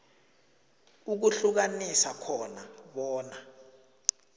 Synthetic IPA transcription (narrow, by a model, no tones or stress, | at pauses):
uk̬uɬuk̬anisakʰɔnaɓɔːna